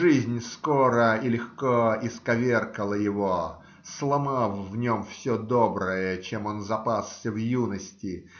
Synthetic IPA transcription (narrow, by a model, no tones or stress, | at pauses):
ʐɨzʲnʲskoɾəilʲɪxkoɪskɐvʲerkəlˠəjɪvo | slˠɐmalˠvnʲomfsʲod̪obɾəjət͡ɕemo̞nzɐpasːʲəvjunəsʲtʲɪ